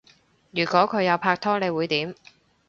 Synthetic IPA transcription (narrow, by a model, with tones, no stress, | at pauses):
jyː˨˩kɔː˨˥kʰɵ˨˧ɥjɐ˨˧wpʰaː˧k̚t̪ʰɔː˥ne˨˧jwuː˨˧jt̪iː˨˥m